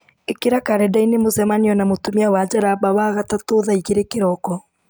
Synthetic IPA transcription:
ekeɾakaɾɛdainemosɛmaniɔnamotomiawad͡ʑaɾabawaɣatatoðaiɣeɾekeɾɔkɔ

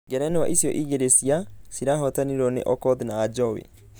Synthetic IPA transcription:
ɡɛɾɛnewaʔisjɔʔiɡeɾesiasiɾaɦɔtaniɾɔnḛʔɔkɔdnaːd͡ʒɔwḛ

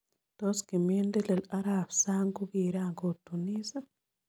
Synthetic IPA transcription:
toskimendelelaɾaβi̥saŋɡuɣiɾaːŋɡotuniːza

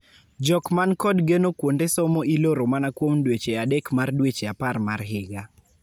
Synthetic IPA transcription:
d͡ʒɔkmankɔdɡenokwondesɔmɔiloɾomanakwomdwet͡ʃeadekmardwet͡ʃeaparmarɦɪɡa

